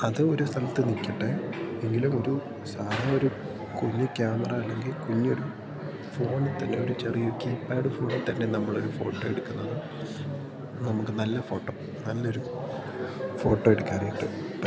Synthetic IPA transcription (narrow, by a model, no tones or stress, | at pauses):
ɐðɨo̞ɾust̪ʰɐlɐt̪ːɨnikʲːɐʈːeeŋɡilumo̞ɾu | saːlaoɾu | kuɲːukʲjaːmɐrɐːlːe̞ŋɡilkuɲːo̞ɾu | fo̞ːɳɨt̪ɐnːe̞o̞ɾut͡ɕerijokːiːpːaːɽɨfo̞ːɳt̪ɐnːe̞nɐmːɐɭo̞ɾufo̞ːʈːoːeɽukːunːɐðɨ | nɐmukːɨnɐlːɐfo̞ːʈːoː | nɐlːɐo̞ɾu | fo̞ːʈːo̞ːeɽukʲːaːrijiʈːɨ